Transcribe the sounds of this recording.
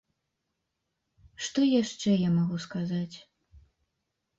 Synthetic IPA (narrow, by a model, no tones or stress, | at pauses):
ʂt̪ɔjaʂt͡ʂɛjamaɣuskazat͡sʲ